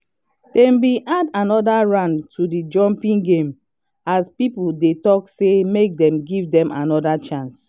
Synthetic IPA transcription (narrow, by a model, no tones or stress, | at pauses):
d̥ɛ̃mbiʔadanɔdaɹãntʰudid͡ʒɔ̃mpĩŋɡẽm | aspipudetɔksemek̚dɛ̃mɡivdɛ̃mʔanɔdat͡ʃãns